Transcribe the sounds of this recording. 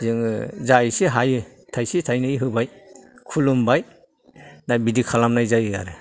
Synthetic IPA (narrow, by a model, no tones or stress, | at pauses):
zɯŋzajsiɦajɯtʰajsitʰajnɯiɦɯbajkʰulumbaj | najbidikʰalamnajzajɯa̰ɾe